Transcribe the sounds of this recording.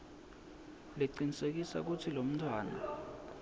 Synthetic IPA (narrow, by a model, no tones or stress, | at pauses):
leǀinisek̬isa̰k̬utʰilom̩tʰwaːna̰